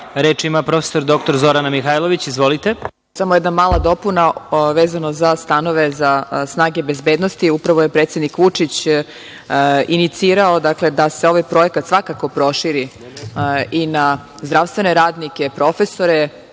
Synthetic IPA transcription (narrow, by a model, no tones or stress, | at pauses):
ɾet͡ʃimapɾo̞fesoɾd̪o̞k̚t̪oɾzo̞ɾanamixajlˠo̞ʋit͡ɕizʋolit̪e | samojeɛd̪namaːlˠad̪o̞punaʋeːzanozast̪ano̞ʋezasnaːɡe̞be̞zbed̪nost̪iupɾaʋoje̞pɾet̪sjed̪nikʋut͡ʂit͡ɕ | init̪siːɾao̞d̪akle̞d̪ase̞o̞ʋajpɾo̞ekat̪sʋakako̞pɾo̞ʃiɾi | ina | zd̪ɾaʋst̪ʋe̞ne̞ɾaːd̪nike̞pɾo̞feso̞ɾe